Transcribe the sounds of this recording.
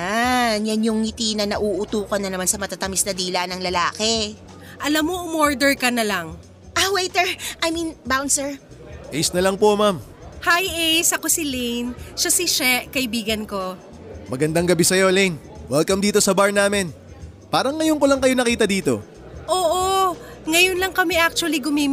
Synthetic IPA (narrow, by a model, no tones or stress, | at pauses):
anjanjʊŋhɪt̪inɐnɐʔuʔʊt̪uːkɐnːɐnɐmansɐmɐt̪at̪ɐmisnɐd̪iːlɐnɐŋlɐlaːkɛ | ʔɐlamːoʔʊmoɹd̪ɛɹkɐnɐlaŋ | ʔawejt̪ɛɹʔajmĩnbawnsɛɹ | ʔɛjsnɐlɐŋpomam | hajejsɐko̞silejnʃasiʃɛʔkɐʔɪbiːɡɐnko̞ | mɐɡɐnd̪aŋɡɐbɛsɐjo̞lejn | wɛlkɐmd̪iːt̪o̞sɐbaɹnaːmɪn | paːɾɐŋːɐjonkolɐŋkɐjonɐkiːt̪ɐd̪iːt̪o̞ | ʔoːʔo | ŋɐjonlɐŋkɐmɛʔak̚t͡ʃuɐliɡʊmɛm